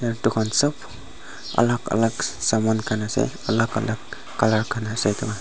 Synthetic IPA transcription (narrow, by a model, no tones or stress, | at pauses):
aɾdukʰansɔp | a̰laka̰laksamankʰanasḛalaka̰lakː | alaɾkʰanasejtʰɔŋa